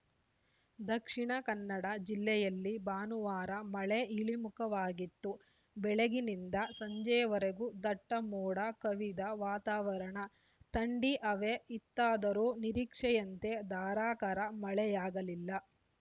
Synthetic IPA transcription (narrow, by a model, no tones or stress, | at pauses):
d̪ɐkʂiɳɐkɐnːɐɽɐd͡ʒilːɛjɐlːibaːnuʋaːɾɐmɐɭeiɭimukɐʋaːɡit̪ːu | bɛɭeɡinind̪ɐsɐɲd͡ʒɐjɐʋɐɾeɡud̪ɐʈːɐmɔːɽɐkɐʋid̪ɐʋaːt̪aːʋɐɾɐɳɐ | t̪ɐɳɖiʔɐʋeit̪ːaːd̪ɐɾuːniɾiːkʂɛjɐnt̪e̞d̪aːɾaːkɐɾɐmɐɭɛjaːɡɐlilːɐ